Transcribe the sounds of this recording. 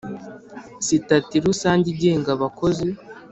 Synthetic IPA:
sitatiɾusaːɲɟiɟeːŋɡaβako̞zi

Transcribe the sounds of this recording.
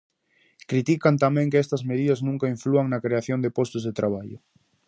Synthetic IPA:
kɾit̪ikant̪amɛ̃ŋkeɛst̪ɐzmeðiðɐznũŋkaiɱfluaŋnɐkɾeaθjond̪ɪpɔst̪ʊzðet̪ɾaβ̞aʎʊ̰

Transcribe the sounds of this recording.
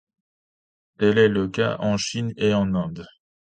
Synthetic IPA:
t̪ɛlɛləka̰ʔɑ̃ʃineɑ̃nɛ̃d̪

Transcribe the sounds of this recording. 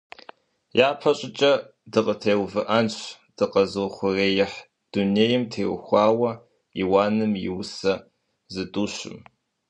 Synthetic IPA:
jaːpʰɐɕʼɪt͡ʃʼɐ | dɨqʼətʰeːwvɨʔɐnɕ | d̥ɨqɐzɨχʷʊreːjɪħ | d̥uneːjɪmtʰeːwʊ̰xʷɑːwɐ | ḭːwaːnɨmjɪ̰wsɐ | zɨtʼuːɕɪ̰m

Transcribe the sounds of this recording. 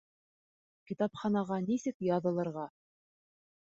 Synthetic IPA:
kit̪ɑpχɑnɑʁɑnisɘkjɑðɤ̆lˠɤ̆ɾʁɑ

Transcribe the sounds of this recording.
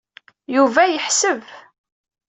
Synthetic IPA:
juvæjəħsəv

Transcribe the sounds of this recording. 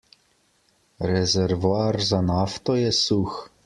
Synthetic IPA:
ɾɛzɛɾvoarzanaft̪ɔjɛsux

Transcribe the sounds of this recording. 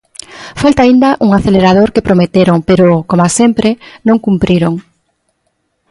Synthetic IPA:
falt̪aind̪ɐʔuŋaθeleɾað̞oɾkepɾomet̪eɾoŋpeɾokomasempɾenõŋkumpɾiɾoŋ

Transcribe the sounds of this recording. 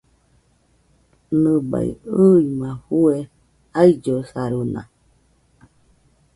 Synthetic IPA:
nɨba̰ḭɨimãɸue | aid͡ʒosaɾunã̰

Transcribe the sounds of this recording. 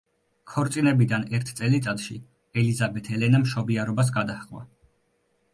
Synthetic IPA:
kʰɔɾt̪sʼinɛbid̪anɛɾt̪ʰt̪sʼɛlit̪sʼat̪ʃi | ɛlizabɛt̪ʰɛlɛnamʃɔbiaɾɔbas̬ɡad̪ahqʼwa̰

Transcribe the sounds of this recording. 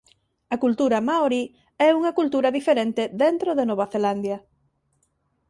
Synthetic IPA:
ɐkult̪uɾɐmaoɾi | ɛuŋɐkult̪uɾɐðifeɾent̪eðent̪ɾoðenoβaθeland̪jɐ

